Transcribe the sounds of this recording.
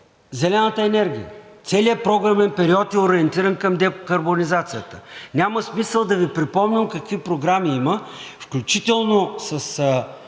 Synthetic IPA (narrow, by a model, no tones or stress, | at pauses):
zɛlɛnət̪əɛnɛɾɡʲijə̰t̪sɛliəpɾɔɡɾɐmɛnpɛɾiɔt̪ɛoɾiɛnt̪iɾənkɐmd̪ɛkɐɾbonizat̪sijət̪ə̥nʲaməsmisəlˠd̪ɐvipɾipɔmnʲəmkɐkvipɾoɡɾamiiməfklʲut͡ʃit̪ɛlˠnosɐs